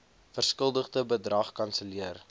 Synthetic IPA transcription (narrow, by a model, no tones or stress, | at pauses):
fərskəlˠdəχdəbədrɐχkɐnsəliər